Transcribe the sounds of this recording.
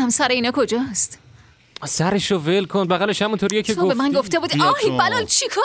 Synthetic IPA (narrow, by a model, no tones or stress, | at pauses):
æmsæɾeiːnɒːkʰo̞d͡ʒɒːst̪ | sæɾeʃovelkʰonbæɣæle̞ʃhæmunt̪ʰoɾijecʰeɡobemænɡoft̪ebuːd̪iɒbælɒlt͡ʃʰikʰo